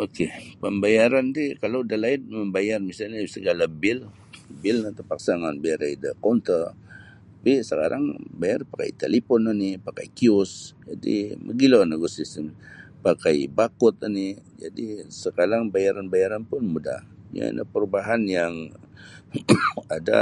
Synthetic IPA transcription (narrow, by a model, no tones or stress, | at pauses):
okepəmbajaɾand̪ikaladalaɪn̚məmbajarmisalɲasəɡalabɪl | bɪlnat̪əpaksaŋanbajaɾajdəkɔnt̪ər | apisəkaɾaŋbajarpaka̰jt̪elipɔnənɪpaka̰jkiʊsd͡ʒadḭmʔə̰ɡilanəɡosisənpakajbakʊt̪ənɪd͡ʒa̰disəkaɾaŋbajaɾanbajaɾanpʊnmuda̰hḭa̰na̰pəɾubaɦanjaŋ | ada̰